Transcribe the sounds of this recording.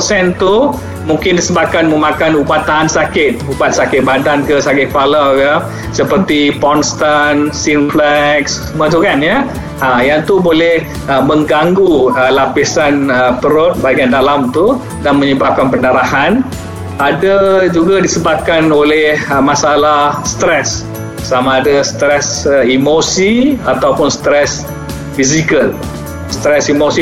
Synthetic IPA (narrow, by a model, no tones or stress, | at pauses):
sɛnt̪u | muŋkɪndisəbap̚kanməmãkanubat̪ːaɦansakɪt̪̚ubat̪̚sakɪt̪̚badankəsakɪt̪̚palakə | səpərt̪ipɔnst̪ansinflɛks | mət̪̬ukanja | əjaŋt̪ubolɛh | əməŋɡaŋɡuəlapisanəpəɾʊt̪̚baɡiandalamt̪u | danmə̃ɲəbap̚kanpənaɾahan | adad͡ʒuɡadisəbap̚kanolɛhmãsalahst̪ɾɛsː | amãːdast̪ɾɛsəimosiat̪awpʊnst̪ɾɛs | fizikəl | st̪ɾɛsimosi